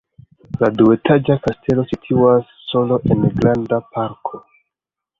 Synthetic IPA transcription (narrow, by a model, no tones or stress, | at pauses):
ladue̞tʰad͡ʒakastʰe̞lo̞sitʰuasːo̞lo̞ʔe̞nɡɾandapaɾkʰo̞